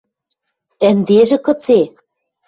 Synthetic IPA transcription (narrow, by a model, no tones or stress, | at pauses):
ɘ̆nd̪eʒɘ̆kɤ̆t͡se